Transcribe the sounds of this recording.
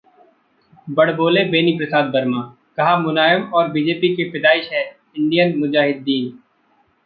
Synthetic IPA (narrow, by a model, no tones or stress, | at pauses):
bɐɽ̤boːlebeːnipɾɐsaːd̪̚bɐɾmãː | kɐɦamʊnaːmɔːɾbiːd͡ʒeːpikepɪd̪aːɪʃɦɛ | ɪ̃ɳɖijənmʊd͡ʒaːɦɪd̪ːiːn